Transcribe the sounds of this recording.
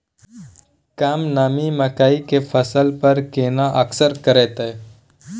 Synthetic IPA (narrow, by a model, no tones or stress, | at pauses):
kaːmnaːmiməkaːikefʰəsəlpəɾkeːnaʔəksəɾkəɾeːt̪e